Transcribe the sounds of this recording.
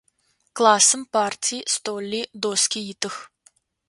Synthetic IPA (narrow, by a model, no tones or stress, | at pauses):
klˠasɨmpart̪ʲist̪olʲːid̪oskʲijit̪ɨx